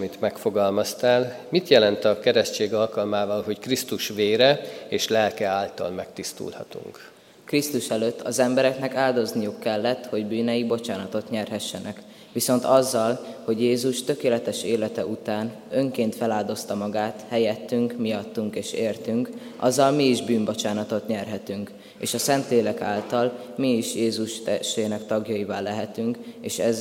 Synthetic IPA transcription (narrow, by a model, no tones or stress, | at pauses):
it̪mɛkfo̞ɡɒlmɒst̪aːlmit̪jɛlɛnt̪ɒkɛɾɛʃt͡ʃeːɡɒlkɒlmaːvɒlɦo̞ckrist̪uʃʋeːɾɛeːʃlɛlkɛaːlt̪ɒ̰lmɛkt̪ist̪ṵlhɒ̰t̪ṵŋk | krist̪uʃɛløːt̪ːɒzɛmbɛɾɛknɛkaːld̪o̞znijukːɛlːɛt̪ho̞ɟbyːnɛjibo̞t͡ʃaːnɒt̪o̞t̪ɲɛrɦɛʃːɛnʔɛk | ʋiso̞nt̪ɒzːɒlho̞ɟjeːzuʃt̪ø̞keːlɛt̪ɛʃeːlɛt̪ɛʔut̪aːn | ø̞ŋkeːnt̪fɛlaːld̪o̞st̪ɒmɒɡaːt̪hɛjɛt̪ːyŋkmijɒt̪ːuŋkeːʃeːrt̪yŋk | ʔɒ̰zːɒlmiːʒbyːmbo̞t͡ʃaːnɒt̪o̞t̪ɲɛrɦɛt̪yŋk | eːʃɒsɛnt̪leːlɛka̰ːlt̪ɒl | miːʃjeːzuʃt̪ɛʃeːnɛkt̪ɒɡjɒivaːlːɛɦɛt̪yŋkeːʃɛz